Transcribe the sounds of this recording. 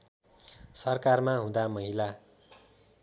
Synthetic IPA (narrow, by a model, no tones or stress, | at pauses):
sʌrkarmaɦũd̪amʌɦila